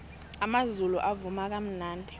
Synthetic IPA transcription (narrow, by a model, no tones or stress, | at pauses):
amazulṵʔavumak̬ʼam̩naːndʱɛ